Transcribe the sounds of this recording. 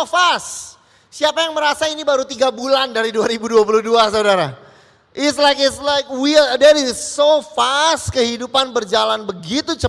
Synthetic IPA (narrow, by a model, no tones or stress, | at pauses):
ofas | siapajaŋməɾasainibaɾut̪iɡabulandaɾiduaɾibuduapuluhduasaudaɾa | ʔɪtslajkɪtslajk̚widɛɾɪsːofast̪kəhidupanbərd͡ʒalanbəɡit̪ut͡ʃə